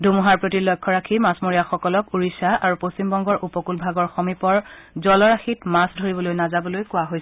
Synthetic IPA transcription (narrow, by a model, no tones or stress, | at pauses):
dʱumuɦaɹpɹotilɔkʰːɔɹakʰimasmoɹijaxɔkɔlɔkuɹisaaɹupostimbɔŋɡɔɹʔupɔkulbʱaɡɔɹxomipɔɹ | zɔlɔɹaxitmasdʱoɹibɔlojnazabɔlojkʊwaɦojsɛ